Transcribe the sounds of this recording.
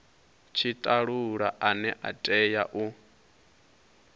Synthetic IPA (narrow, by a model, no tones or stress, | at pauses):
t͡ʃʰitʼaɺuɺaʔanɛʔa̰tʼɛjaʔu